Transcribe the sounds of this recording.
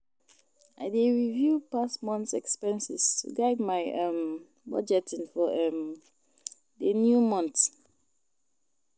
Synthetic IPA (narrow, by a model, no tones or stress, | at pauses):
aɪdeɹivjupasmɔ̃ntsɛkspɛ̃nsḭstʰṵɡaɪdmaɪɛ̃m | bɔ̰d͡ʒɛtĩnfɔɛm | denjumɔ̃nt